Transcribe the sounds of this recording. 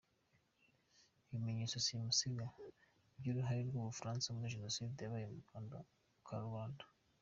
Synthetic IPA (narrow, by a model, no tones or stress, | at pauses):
βimeɲet͡sosimusiɡa | bɟuɾuɦaɾiɾɡuːβufɾaːnsamuiʒenosiːdejaβajemukanda | kʰaɾwaːndḁ